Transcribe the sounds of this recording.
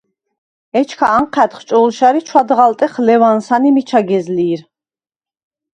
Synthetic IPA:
ɛt͡ʃʰkʰaːɴqʰɛt̪χt͡ʃʼɔlʃaɾit͡ʃʰwad̪ʁalt̪ʼɛχlɛvansanimit͡ʃʰaɡɛzliːɾ

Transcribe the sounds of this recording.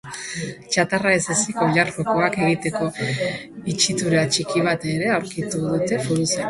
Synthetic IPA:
t͡ʃat̪araesasiko̞ʎaɾkoko̞ake̞ɣit̪e̞ko̞ | it͡ʃit̪uɾeat͡ʃikiβ̞at̪e̞ɾe̞awɾkit̪uð̞ut̪e̞fuɾusa

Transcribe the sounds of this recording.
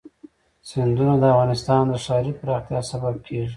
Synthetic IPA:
sɪnd̪unod̪əafɣɑnɪst̪ɑnd̪əʂɑɾipəɾɑxt̪jɑsabab̚kʰeʐi

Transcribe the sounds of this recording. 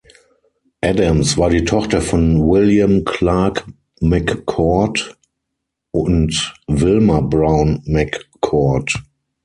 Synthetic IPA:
ʔædə̃msvaːɐɾiːtʰɔχtɐfɔ̃nwɪljə̃mkʰlaːk | mækːʰɔt | ʔʊ̃ntvɪlməbɹãʊ̃nmækʰː | ɔt

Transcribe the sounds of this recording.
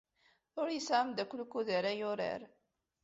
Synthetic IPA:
ʊɾjəsʕəmd̪ækʷːlkːuðəɾajʊɾə̰ɾ

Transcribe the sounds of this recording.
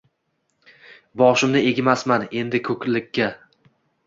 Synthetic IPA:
bɒʃɪmnɪe̞ɡʲɪmasmane̞nd̪ɪkʰɵkʲlɪkʲʰːa

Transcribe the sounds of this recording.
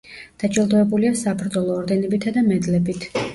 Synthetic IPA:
d̪̥at͡ʃʼilˠd̪ɔɛbuliasapɾd̪zɔlˠɔːɾd̪ɛnɛbit̪ʰad̪amɛd̪lɛbit̪ʰ

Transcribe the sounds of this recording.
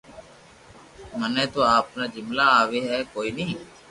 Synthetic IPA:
mənɛ̃ːt̪oːaːpnaːd͡ʒɪmlaːaːʋeːɦɛːkoːiːnəɦĩː

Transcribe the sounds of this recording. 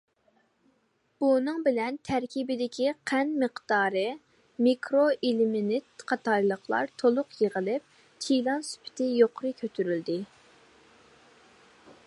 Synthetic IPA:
b̥unɨŋbɪlɛnt̪ʰæɾkʲibɪd̪ɪkʲʰiqʰænməqd̪̥ɑːɾɨ | mikɾoʔilɪmɪnɪt̪qʰɑt̪ʰɑjlˠəχlˠɑ̰ɾt̪ʰolˠʊqjeʁəlˠɪp̚ | t̪ʰilˠɑnsy̥pʰɪ̥t̪ʰɪjoqʰʊɾɨkʲʰøt̪ʰyɾyld̪ɪ

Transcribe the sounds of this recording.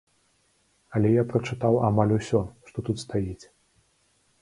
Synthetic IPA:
ɐlʲɛjapɾɐt͡ʂɨt̪awamalʲusʲɔʂt̪ɔt̪ut̪st̪ajit͡sʲ

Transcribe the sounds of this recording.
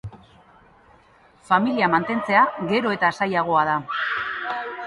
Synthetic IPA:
familiamant̪e̞nt͡se̞aɣe̞ɾo̞e̞t̪asajaɣ̞o̞að̞a

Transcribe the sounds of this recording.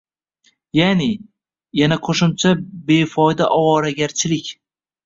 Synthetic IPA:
janɪ | janaqʰoʃʊmt͡ʃʰabe̞fɒjd̪aʔɒwɒɾaɡʲaɾt͡ʃʰɪlɪkʲ

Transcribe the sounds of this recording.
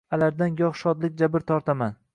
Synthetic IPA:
alaɾd̪anjɒχʃɒd̪lɪkʲd͡ʒabɪɾt̪ʰɒɾt̪ʰaman

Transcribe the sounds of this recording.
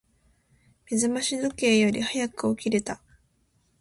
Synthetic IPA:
mʲizɨmaɕid̪oke̞ːjo̞ɾʲihajakɯ̟o̞kʲiɾe̞t̪a

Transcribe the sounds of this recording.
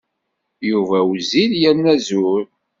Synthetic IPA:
juvæwziljæɾnæzuɾ

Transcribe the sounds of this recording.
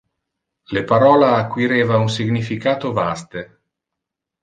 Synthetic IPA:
lepaɾɔːlaːkːwiɾeːvaunsiɡnifikaːt̪ovast̪e

